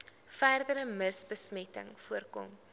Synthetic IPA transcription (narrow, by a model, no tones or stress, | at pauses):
fæːrdəɾəməsbəsmɛtə̰ŋfuərkɔ̰m